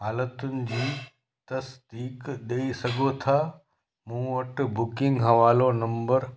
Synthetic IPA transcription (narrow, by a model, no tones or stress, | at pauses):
ɦaːlət̪ʊnɪ̆d͡ʑiː | t̪ɐsd̪iːkɗeisɐɡʱot̪ʰaː | mũːʋɐʈbʊkɪ̃ŋɡɦɐʋaːlonɐ̃mbəɾ